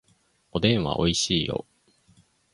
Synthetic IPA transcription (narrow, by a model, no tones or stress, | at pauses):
o̞d̪ẽ̞ɰ̃βa̰ʔo̞iɕiːjo̞̰